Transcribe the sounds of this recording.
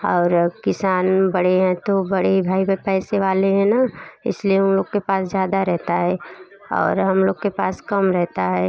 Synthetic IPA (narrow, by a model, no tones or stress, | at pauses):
ɔːɾkɪsaːnbɐɽ̤eɦɛ̃t̪obɐɽebʱaːibepɛːseʋaːleɦɛ̃naɪ̰slijeʊmloːɡkepaːszjaːd̪aɾɛɦt̪aɦɛː | ɔ̰ːɾɦɐmloːɡkepaːskɐmɾɛɦt̪aɦɛː